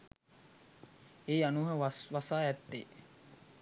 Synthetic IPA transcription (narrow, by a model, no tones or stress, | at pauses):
eːanuːɦəsʋasaːæt̪ːḛː